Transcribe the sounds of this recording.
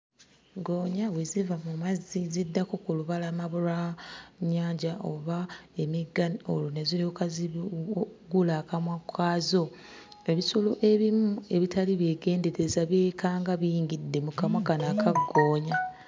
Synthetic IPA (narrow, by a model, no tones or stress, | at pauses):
ɡo̞ːɲawezivamumazizidːakokuluβalamaβuɾaɲːaːɲɟaʔo̰βae̞miɡano̰lunezilikazi | ɡulaːkamwakʰːaːzo̞ | e̞βisolo̞ʔe̞βimue̞βitaliβje̞ːɡe̞ːnde̞ɾe̞zaβjeːkʰaːŋɡaβiiːŋɡidːe̞mukamwakanakʰaɡːoːɲa